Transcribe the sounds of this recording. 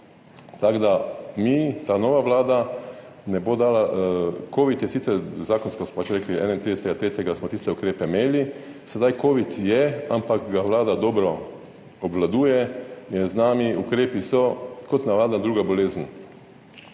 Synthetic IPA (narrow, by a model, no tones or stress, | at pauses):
t̪aɡd̪amit̪aːnɔːʋaʋlaːd̪a | nɛbod̪aːlakoːʋit̪jɛsit̪sɛɾzaːkɔnskɔsmɔpat͡ʃɾɛkliɛ̰ːnaint̪ɾid̪ɛsɛt̪ɡat̪ɾeːt̪ɛɡasmɔt̪ist̪ɛukɾeːpɛmeːli | sɛd̪ajkoːʋit̪jɛampakɡaʋlaːd̪ad̪ɔːbɾɔ | ɔbʋlad̪uːjɛjɛznaːmiukɾeːpisɔkɔt̪naʋaːd̪nad̪ɾuːɡabɔleːzən